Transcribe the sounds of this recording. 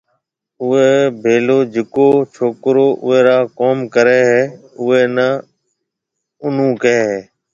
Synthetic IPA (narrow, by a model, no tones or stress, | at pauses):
ʊeːbʱeːloːd͡ʒɪkoːt͡ʃʰoːkɾoːʔʊ̰eːɾaːkoːmkəɾeːɦɛː | ʊeːnə | ʊn̤ũːkeːɦeː